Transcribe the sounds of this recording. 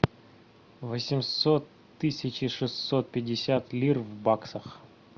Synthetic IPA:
vəsʲɪmsot̪ːɨsʲɪt͡ɕɪʂɨsːot̪̚pʲɪdʲɪsʲat̪lʲirvbaksəx

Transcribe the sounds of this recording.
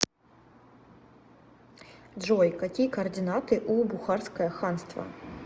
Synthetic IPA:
dʐɔjkakʲikɐːrd̪ʲɨnat̪ɨʔubuxarskɐjɐxanst̪vɐ̰

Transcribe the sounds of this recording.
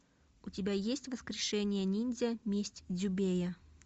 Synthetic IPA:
ʊtʲɪbʲajesʲtʲvəskɾʲɪʂɛnʲɪjənʲinʲzʲəmʲesʲtʲdʲʊbʲejə

